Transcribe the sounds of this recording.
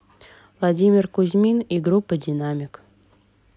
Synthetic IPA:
vlˠadʲimʲɪrkuzʲmʲiniɡɾupːədʲɪnamʲɪk

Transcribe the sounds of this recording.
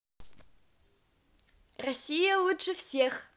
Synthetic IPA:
rɔsʲijɐwʊʈ͡ʂʼɨfseːx

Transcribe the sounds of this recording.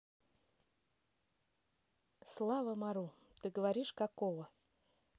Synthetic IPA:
slˠavəmaɾu | t̪ɨɡəvɐɾʲiʂkɐkovə

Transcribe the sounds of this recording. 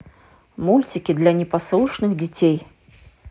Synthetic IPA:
mulʲt͡sʲikʲid̪lʲɐnʲɛpaslˠuʂnɨxd͡zʲit͡sʲej

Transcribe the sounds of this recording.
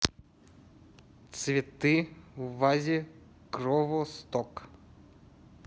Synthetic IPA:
t͡sʲʋʲit̪ɪwʋazʲi | kɾɔʋɔst̪ɔk

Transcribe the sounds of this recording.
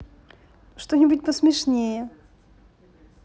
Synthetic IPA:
ʂt̪onʲɪbut̚ʲpəsmʲɪʂnʲejə

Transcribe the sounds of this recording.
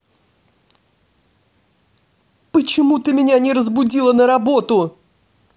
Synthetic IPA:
pət͡ɕɪmut̪ɨmʲɪnʲanʲɪɾəzbʊdʲilˠənəɾɐbo̞t̪ʊ

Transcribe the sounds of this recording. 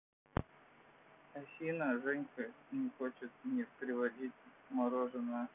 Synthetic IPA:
ɐsʲinəʐɛnʲkənʲɪxot͡ɕɪt̪̚nʲɪpɾʲɪvɐdʲit̚ʲmɐɾoʐɨnə

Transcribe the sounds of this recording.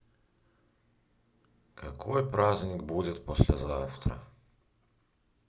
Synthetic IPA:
kɐkʰojpɾazʲnʲɪkbudʲɪt̪posʲlʲɛzaft̪ɾə̰

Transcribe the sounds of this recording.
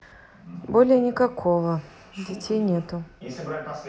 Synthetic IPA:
bolʲɪjənʲɪkɐkʰo̞və | dʲɪtʲejnʲet̪ʊ

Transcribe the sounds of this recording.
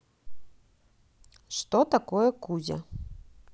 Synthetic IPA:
ʂt̪ɔt̪akɔjɛkuzʲɐ̰

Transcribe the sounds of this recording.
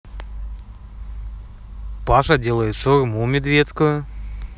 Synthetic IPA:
paʂɐdʲelˠəjɪt̪ʂʊrmumʲɪd̪vʲet̪skʊjʊ

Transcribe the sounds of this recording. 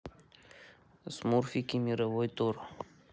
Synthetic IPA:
smuɾfikimiɾɐvojt̪oɾ

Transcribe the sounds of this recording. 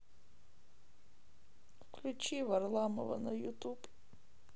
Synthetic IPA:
klʲut͡ʃivarlˠamɐvɐ̰nɐjut̪ʼupʼ

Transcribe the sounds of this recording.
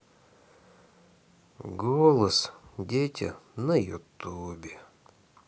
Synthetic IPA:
ɡolˠəsdʲetʲə̰nəjot̪ːuːbʲe

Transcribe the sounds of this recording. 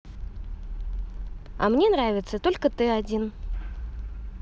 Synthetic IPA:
ɐ̰mnʲe̞nɾavʲɪt̪sət̪o̞lʲkət̪ɨɐdʲin

